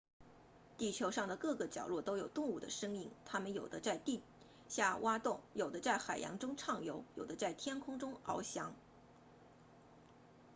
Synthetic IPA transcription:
t̪i˥˩t͡ɕʰjo˧˥ʊʂɑ˥˩ŋd̪ə˩kɤ˥˩ɡə˩t͡ɕjɑ̰˨˩ʊlwɔ˥˩t̪o˥ʊjo˨˩ʊt̪ʊ˥˧ŋu˥˩d̪ə̰˩ʂɤ˥ŋi˥˩ŋt̪ʰa˥mə˨njo˨˩ʊd̪ə˦t͡sa˥˧ɪt̪i˥˧ | ɕja˥˩wa˥t̪ʊ˥˩ŋjo˨˩d̪ə˦t͡sa˥˩ɪxa˨˩ɪjɑ̰˧˥ŋʈ͡ʂʊ˥ŋʈ͡ʂʰɑ˥˩ŋjo˧˥ʊjo˨˩d̪ə˦t͡sa˥˩ɪt̪ʰjɛ˥nkʰʊ˥ŋʈ͡ʂʊ˥ŋɑ˧˥ʊɕjɑ˧˥ŋ

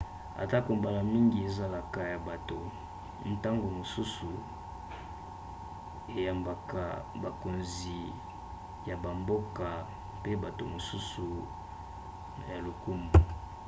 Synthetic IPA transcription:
a̰˨ta˦ko˨mba˨la˨mi˦ŋɡi˨e˨za˦la˨ka˨ja˨ba˨to˨ | n̩˨ta˦ŋɡo˨mo˨su˦su˨ | e˨ja˨mba˨ka˨ba˨ko˨nzi˨ | ja˨ba˨mbo˦ka˨ | pe˦ba˨to˨mo˨su˦su˨ | ja˨lo˨ku˦ma˨

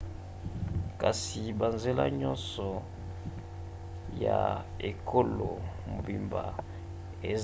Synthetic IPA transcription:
ka˨si˨ba˨nze˦la̰˦ɲɔ˦nsɔ˨ | ja˨ | e˨kʰo˦lo˨m̩˨bi˨mba˨ | e˨z

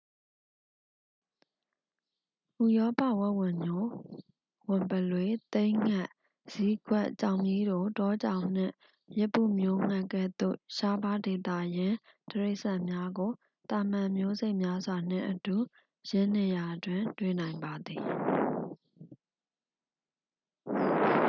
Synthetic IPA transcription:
ʔu˨jɔ˦pä̰˦˨wɛ˦ʔwɪ̃˨mjo˦ | wɪ̃˨mpə˨lwe˨˦t̪ẽ˦ɪ̃ŋa˦˨ʔ | z̥i˦ɡwɛ˦˨ʔt͡ɕã˨ʊ̃mi˦do˨tɔ˦t͡ɕã̰˨ʊ̃n̥ɪ̰̃˦˨ | jɛ˦pːṵ˦˨mjo˦ŋ̥a˦˨kɛ̰˦˨d̪̥o̰˦˨ʃa˦ba˦de˨t̪ä̰˦˨jɪ̃˦təɹe˦ʔsa˦˨mja˦ɡo˨ | t̪ã˨m̥ã˨mjo˦ze˦ɪʔmja˦zwa˨n̥ɪ̰̃˦˨ʔətu˨ | jɪ̃˦n̥ɪ˦˨ja˨ʔdwɪ̃˨ntwḛ˦˨nã˨ɪ̃mba˨d̪i˨

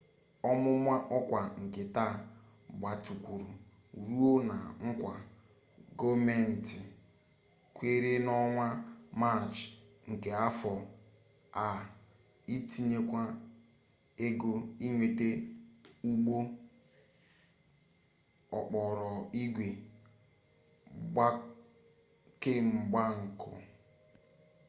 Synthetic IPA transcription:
ɔ˦mʊ˦mʷa˦ʔɔ˦kʷa˨ŋ̩˨kɪ˨ta˦˨ | bʷa˨tu˨kʷu˨ɾu˨ | ɾu˦o˦na˨ŋ̩˦kʷa˨ | ɡo˦me˦n̩˨ti˨ | kʷe˦ɾe˦nɔ˦ŋʷa˦ma˦˨t͡ʃ | ŋ̩˨ke˨a˦fɔ˨ | a˨ | i˦ti˦ɲe˦kʷa˦ | e˦ɡo˦i˦ŋʷe˨te˦ | u˦ɡ͡bo˦ | ɔ̰˨k͡pɔ˨ɾɔ˨i˦ɡʷe˨ | ɡ͡ba˦ | ke˦m̩˨ɡ͡ba˦ŋ̩˨kʰʊ̰˨

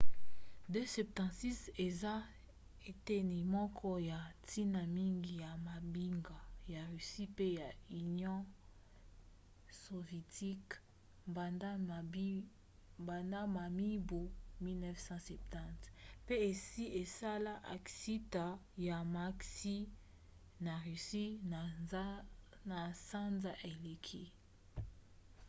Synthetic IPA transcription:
dø˦sɛ˨p̚tɑ̃˨tsi˦se˨za˦ | e˨te˦ni˨mɔ˦kʰɔ˦ja˨tʰi˦na˨mi˦ŋɡi˨ja˨ma˨bi˦ŋɡa˨ja˨ʁy˨si˦pe˦ja˨y˨njɔ̃˦ | so˨vjɛ˨tʰi˦k | a˨d | ba˨nda˦ma˨mi˦bu˨mi˦lnɛ˦fsɑ̃˦sɛ˨p̚tɑ̃˦tpe˦e˨si˦e˨sa˦la˦ʔa̰˨ksi˦ta˨ | ja˨ma˦ksi˦ | na˨ʁy˨si˦na˨˦ | na˨sa˦nza˦ʔe˨le˨kʰi˦

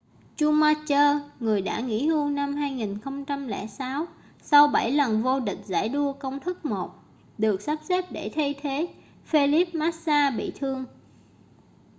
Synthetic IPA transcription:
t͡ɕu˧maː˧t͡ɕəː˧ŋɨ˨˩əjɗa̰ː˧˥ŋḭ˧˥hu˧ŋna˧mhaː˧jŋi˨˩nxə˧wŋ͡mt͡ɕa˧mlɛ̰˧˩saː˨˦w | sa˧wɓa˧˩jlə˨˩nvo˧ɗï˨˩k̟̚za̰ː˧˥˩jɗu˧əkə˧wŋ͡mt̪ʰɨ˦˥k̚mo˨˩t̚ | ɗɨ˨˩ək̚sa˦˥p̚se˦˥p̚ɗe˧˩t̪ʰə˧jt̪ʰe˨˦ | fe˧li˦˥p̚maː˦˥t̚saː˧ɓḭ˧˨t̪ʰɨ˧əŋ

